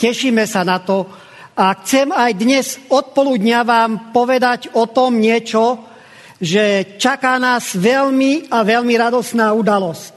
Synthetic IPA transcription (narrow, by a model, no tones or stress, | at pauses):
cɛʃiːmɛsanat̪ɔ | axt͡sɛmajd̪ɲɛzɔt̪̚pɔluːd̪ɲaʋaːmpɔʋɛd̪aɟɔt̪ɔmɲɪɛt͡ʃɔ | ʒɛt͡ʃakaːnaːzʋɛlmiaʋɛlmiɾad̪ɔsnaːud̪alɔsc̚